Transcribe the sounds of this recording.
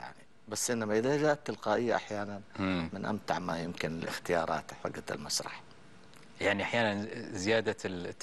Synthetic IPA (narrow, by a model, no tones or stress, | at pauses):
ja̰ʕni | basːʔɪnːamaʔɪðad͡ʒaːʔt̪ːɪlqaːʔɪjːaʔaħjaːnanmɪnʔa̰mt̪aʕmajɪmkɪnɪlʔɪ̰xt̪ɪjɑːɾˤɑ̰ːt̪ħa̰ɡːat̪ɪ̰lmasɾˤɑ̰ħ | jaʕniʔaħjaːnanzɪjaːd̪a